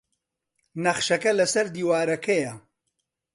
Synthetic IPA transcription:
nɐχʃɐkɐlɐsɐɾd̪iːwaːɾɐkʰɐjɐ

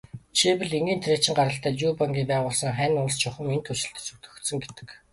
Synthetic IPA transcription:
t͡ɕʰipɘ̆ɮeŋɡiːnt̪ʰreːt͡ɕɪ̆ŋɢaɾə̆ɬt̪æːt̪juːpaŋɡʲiːpæːʁʊːɮsə̆ŋχæːnʊnst͡ɕʰʊχə̆ment̪ʰɵt͡ɕɪ̆ɬt̪ɘ̥̆sut̪ɵ̥̆xt̪sɵ̆ŋɡet̪ɘ̥̆k

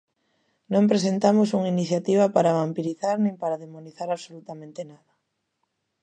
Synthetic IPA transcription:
nõmpɾes̬ent̪amʊsuŋiniθjat̪iβ̞ɐpaɾaβampiɾiθaɾnẽŋpaɾaðemoniθaɾaβsolut̪amẽnt̪enaðɐ

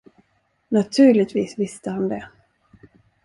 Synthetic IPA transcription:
nat̪ʰʉ̟ːɭɪt̪viːsvɪst̪əhand̪ɛ

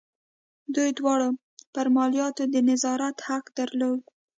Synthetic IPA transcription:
d̪ujd̪wɑɽə | pəɾmɑlijɑt̪od̪ənɪzɑɾat̪haqd̪aɾlod̪

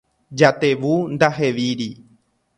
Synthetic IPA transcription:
d͡ʒat̪e̞ʋund̪aɦe̞ʋiɾi

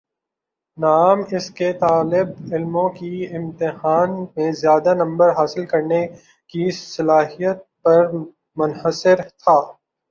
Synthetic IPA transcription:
naːmɪsket̪aːlɪbɪlmõkiɪ̃mt̪ɪɦaːnmẽzjaːd̪anɐ̃mbəɾɦaːsɪlkɐɾne | kisɐlaːɦijət̪̚pɐɾ | mʊnhəsɪɾt̪ʰaː

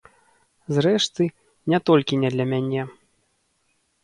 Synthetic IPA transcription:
zɾɛʂt̪ɨ | nʲɛt̪ɔlʲkʲinʲɛd̪lʲɐmʲanʲɛ

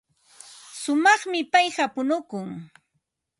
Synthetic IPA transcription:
sʊmɑχmɪpajɢapʊnʊkʊŋ

